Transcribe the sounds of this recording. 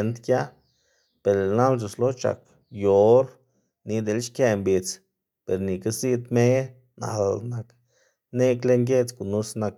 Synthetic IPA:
nt̪kja˦ | pe˨ɾe˨na˦ld͡ʒ̬u˨slo˦t͡ʃa̰˨k | jo˨˦ɾ | ni˧˦d̪e˧˨lʃkje˧mbi˨t͡s | pe˨ɾni˨ka˦si˦˧d̪me˦ | na̰˨lna˧k | ne˦kle˦ŋɡe˦t͡sɡu˨nu˦sna˧k̚

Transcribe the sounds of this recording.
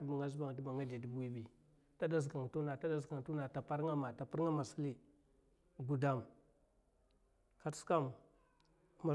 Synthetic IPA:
ba˨ŋa˦zu˦ba˨ŋ˨tu˦ba˨ŋa˦d͡ʒa˨di˨bu˦i˦bi˨ | ta˦da˦z̬ka˨ŋ˨tu˦na˨ta˦da˦zka˨ŋ˨tu˦na˨ta˨pa˦ɾŋa˦ma˨ta˨pu˦ɾŋa˦ma˨si˦li˦ | ɡu˨da˦˨m | ka˨tska˦m | a˨

